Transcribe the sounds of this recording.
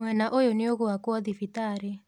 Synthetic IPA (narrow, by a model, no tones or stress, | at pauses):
wɛnaʔojonɪoɣoakwɔðifitaɾe